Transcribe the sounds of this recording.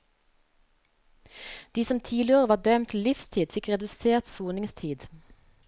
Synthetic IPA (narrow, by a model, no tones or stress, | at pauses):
d̪̥iːsɔmt̪ʰiːlɪoːʁəʋɑːd̪œmt̪lɪfst̪ʰiːd̪fɪkʁɛd̪ʉseːʁt̪suːnɪŋst̪ʰiːd̪